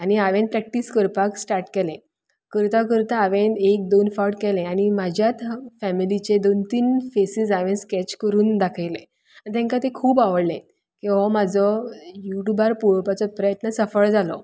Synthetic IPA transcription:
añiaʋẽnpɾɛk̚ʈiskəɾpaksʈaɾʈkɛlẽ | kəɾt̪akəɾt̪aːʋẽnek̚d̪onfaɾʈkɛlẽañimad͡ʑʱjat̪fæmilit͡ɕed̪ont̪iːnfesid͡zaʋẽnskɛt͡ɕkəɾuːnd̪akʰajlẽ | anit̪̬ɛ̃ŋkat̪ẽkʰuːbaʋəɽlẽ | kiɦɔmad͡zʱɔjuʈubaɾpuɭpat͡sɔpɾəjət̪nəsəfəɭd͡zalɔ̰

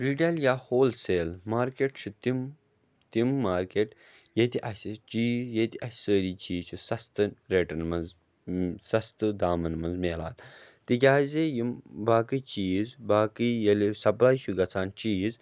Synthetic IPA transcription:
ɾiɖɐljaːhoːlseːlmaːɾkeʈt͡ʃʰut̪im | t̪imːaːɾkeʈ | jet̪iʔɐsit͡ʃiːzjet̪iʔɐssəːɾiːt͡ʃiːzt͡ʃʰusɐst̪ɨnɾeːʈɐnmɐnz | sɐst̪ɨd̪aːmɐnmɐnzmeːla̰ːlt̪ik̬ʲaːzʲejimbaːkɨt͡ʃiːzbaːkijɐlisɐplaːjʃuɡɐt͡sʰaːnt͡ʃiːz

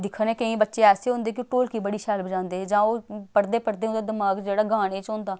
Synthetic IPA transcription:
d̪ɪkʰːəneːkəĩːbətːʃeːɛːseːɦʊ̃ːnd̪eːk̬ɪʈoːlkiːbəɽiːʃɛːlbəd͡ʒãːnd̪eːd͡ʒãːoːpəɾd̪eːpəɾd̪eːɦʊ̃nd̪aːd̪əmaːɡd͡ʒeːɽaːɡaːɽ̃eːt͡ʃɦʊ̃ːnd̪aː

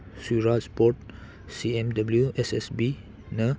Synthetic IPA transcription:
suɹaspɔt̚ | siɛ̃mdabəljuʔɛsɛsbi | nə

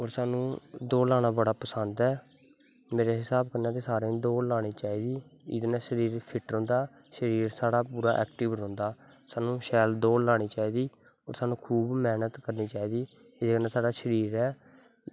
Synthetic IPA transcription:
oːɾsaːnũːd̪oːlaːɽ̃ãːbəɽaːpəsənd̪ɛː | meːɾeːɦɪsaːbkəɾnaːt̪esaːɾẽːd̪oːlaːɽ̃iːt͡ʃaːiːd̪iːɪ̰d̪nãːʃəɾiːɾpʰɪʈɾõːnd̪aː | ʃəɾiːɾsaːɽaːpuːɾaːʔɛ̰ːkʈɪʋɾõːnd̪aː | saːnũːʃɛːld̪oːlaːɽ̃iːt͡ʃaːiːd̪iː | o̰ːɾsaːnũːkʰuːbmɛːnət̪kəɾniːt͡ʃaːiːd̪iː | ɪd̪eːkəɾnaːsaːɽaːʃəɾiːɾɛː

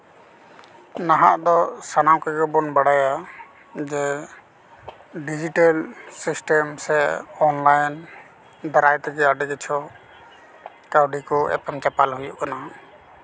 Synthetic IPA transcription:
naɦaʔd̪ɔsanawkɛɡɔbɔnbaɽaja | d͡ʒɛ | ɖid͡ʒiʈalsisʈɛmsɛɔnlajn | d̪aɾajt̪ɛɡɛaɖɛɡɛt͡ʃʰɔ | kawɖikɔɛ̰pɛmt͡ʃapalɦujɔʔkana

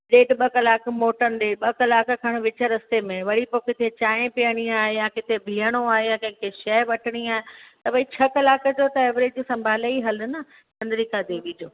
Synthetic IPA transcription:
ɗeːɖɓɐkɐlaːkmoːʈənd̪eːɓɐkɐlaːkkʰaɽ̃ʋɪt͡ɕəɾɐst̪emẽʋɐɽipokɪt̪ʰet͡ɕãːẽpiəɽ̃iaːɦejãkɪt̪ʰebʱiːəɽ̃oaːɦejãkɐ̃ɦɪ̃kʰeʃɛːʋɐʈʰəɽ̃iaːɦet̪ɐbɐĩt͡ɕʰɐkɐlaːkd͡ʑot̪ɐeːʋɾeːd͡ʑiːsɐ̃mbʱaːleiɦɐl̆nɐ | tɐ̃nd̪ɾikʰad̪eːʋid͡ʑoː

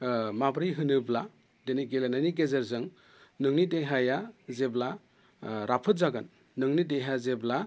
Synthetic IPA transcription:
mabɾijɦɯnɯbla | deniɡelenajniɡezɐɾzɯŋ | nɯŋnideɦajazebla | ɾapʰɯt̚zaɡɯnː | ɯŋnideɦazebla

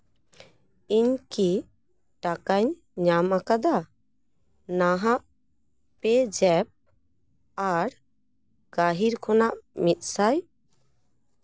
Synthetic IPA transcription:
iɲki | ʈakaɲ | ɲamakad̪a | naɦaʔ | pɛd͡ʒɛp̚ | aɾ | ɡ̥aɦiɾkʰɔnaʔmit̪̚ˀsaj

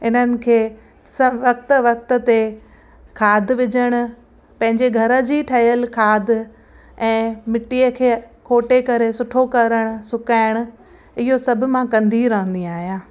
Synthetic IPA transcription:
ɪnənɪ̆kʰeː | sɐʋɐk̚t̪̆ʋɐk̚t̪ə̆t̪e | kʰaːd̪ʱʋɪd͡ʑəɽ̃ʊ̆ | pɐ̃ɦɪ̃ɲd͡ʑeɡʱɐɾə̆d͡ʑiːʈʰɐijəlkʰaːd̪ʱ | ɛ̃ːmɪʈiəkʰeːkʰoːʈekɐɾesʊʈʰokɐɾəɽ̃ʊ̆sʊkaːɪɽ̃ʊ̆ | ɪɦosɐbʱʊ̆mãkɐ̃nd̪iɾɐɦə̃nd̪iaːɦijãː

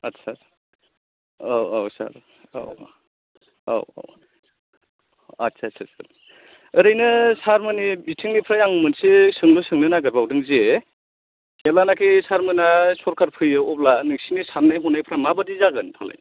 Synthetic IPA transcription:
atsʰaɾ | aawsa̰ɾ | o̰w | a̰w̰ | atsʰatsʰasa̰ɾ | ɯɾɯjnɯsaɾmɯnibitʰiŋnipʰɾajaŋmɯnsesɯŋlɯsɯŋnɯnaɡɯɾbawdɯŋzie | kelanakʰisaɾmɯnasɔɾkʰaɾpʰɯjɯɔb̚lanɯksinisaɾnajɦɔnajpʰɾamabadizaɡɯnpʰala̰j

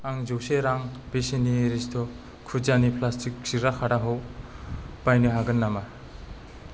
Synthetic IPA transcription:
aŋzowseɾaŋb̥esiniɾistʰɔ | kʰud͡ʒanipʰlastʰik̚siɾakʰaɾaɦɔw | b̥ajniɦaɡɯnːama

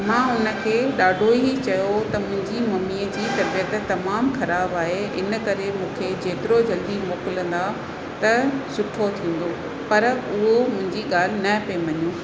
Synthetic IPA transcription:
mãːʊnə̆kʰeːɗaːɖʱoit͡ɕɐjot̪ɐmʊ̃ɦɪ̃ɲd͡ʑimɐmiːəd͡ʑiːt̪ɐɾbiət̪t̪ɐmaːmxɐɾaːbaːɦeɪnə̆kɐɾemũːkʰed͡ʑeːt̪ɪɾod͡ʑɐld̪imoːkɪlə̃n̆d̪a | t̪ɐsʊʈʰot̪ʰĩːn̆d̪o | pɐɾʊɦomʊ̃ɦɪ̃ɲd͡ʑiɠaːl̤ɪnɐpeʋɐɲũː

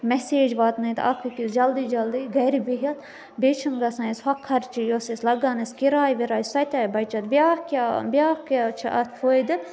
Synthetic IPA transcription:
mɛseːd͡ʒʋaːt̪nɐit̪ɐ̰kʰɨkisd͡ʒɐld̪iːd͡ʒɐld̪iːɡɐɾibiɦɐt̪ | bet͡ʃʰinɡɐsɐ̃ishɐkʰːɐɾt͡ʃijoːsislɐɡɐːnɐskiɾaːjʋiɾaːjsɐt̪ʲaːibɐjt͡ʃɐt̪ʋʲjaːhkʲabʲjaːhkat͡ʃʰiɐt̪ʰfʰoːjd̪ɨ

